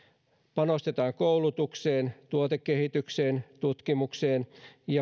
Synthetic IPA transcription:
pɑnost̪et̪ɑːŋkoulut̪ukse̞ːnt̪uot̪ekːehit̪ykseːnt̪ut̪kimukseːnjɑ

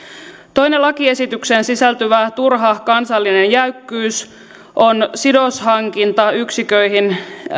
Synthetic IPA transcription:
t̪o̞jnelɑkie̞sit̪yksensisælt̪yʋæt̪urɦɑkɑnsɑlːinenjæykːyːs | ʔo̞nsido̞shɑŋkint̪ɑyksikø̞jɦin

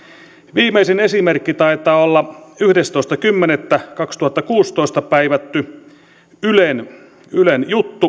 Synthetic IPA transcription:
ʋiːmeisenesimerkːit̪ɑit̪ɑːolːɑyhdest̪oist̪ɑkymːenet̪ːækɑkst̪uhɑt̪ːɑkuːst̪oˑist̪ɑpæiʋæt̪ːy | ylen | ylenjut̪ːu

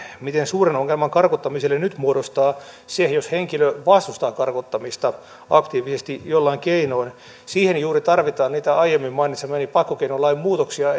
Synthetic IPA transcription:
mit̪ensuːrenoŋːelmɑŋkɑrkot̪ːɑmiselːenyt̪muoɾost̪ɑː | sehjosheŋkiløʋɑst̪ust̪ɑːkɑrkot̪ːɑmist̪ɑ | ɑkt̪iːʋisest̪ijolːɑiŋkeinoin | siːhenjuːrit̪ɑrʋit̪ɑːnniːt̪æɑijemːimmɑinit̪semenipɑkːokeinolːɑimmuːt̪oksiɑ

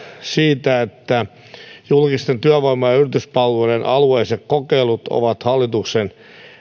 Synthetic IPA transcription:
siːt̪æet̪ːæ | julkist̪ent̪yæʋoimojɑyrit̪yspɑlːoiɾenʔɑlueisekkokeilut̪o̰ʋɑt̪hɑlːit̪uksen

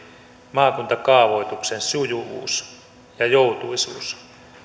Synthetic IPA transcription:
mɑːkunt̪ɑkɑːʋo̞jt̪uksensujuʋṵːs | jɑjowt̪uisṵːs

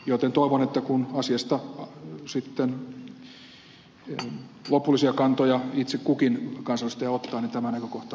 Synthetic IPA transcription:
jot̪ent̪oˑiʋonet̪ːækunɑsiɑst̪ɑsit̪ːen | lopulːˑisiɑkɑnt̪ojɑit̪sekkukinkɑnsɑlist̪ɑjɑot̪ːɑːnint̪æmænækøkoht̪ɑ

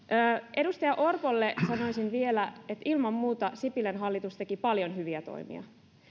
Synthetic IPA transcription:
ʔəːʔe̞dust̪ɑjɑʔo̞rpolːesɑno̞jsinʋie̞læet̪ilmɑmːuːt̪ɑsipilenɦɑlːit̪ust̪e̞kipɑljo̞nɦyʋiæt̪o̞̰imḭɑ̰

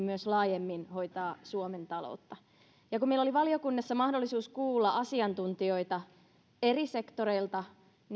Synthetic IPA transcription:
myøslɑːjemːinho̞jt̪ɑːsuoment̪ɑlo̰ut̪ːɑ | jɑkummeilːoliʋɑlio̞kunːɑsːɑmɑhdolːisuːskuːlːɑʔɑsiɑnt̪unt̪io̞it̪ɑ | erise̞kt̪oɾeilt̪ɑ | n

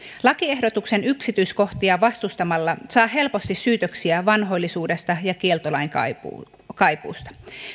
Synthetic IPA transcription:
lɑkie̞hdo̞t̪ukse̞nyksit̪yisko̞ht̪iɑʋɑst̪ust̪ɑmɑlːɑsɑːɦe̞lpo̞st̪isːyːt̪øksiæʋɑnɦo̞jlːisuːde̞st̪ɑjɑkie̞lt̪olɑiŋkɑ̰ | kɑjpṵːst̪ɑ̥

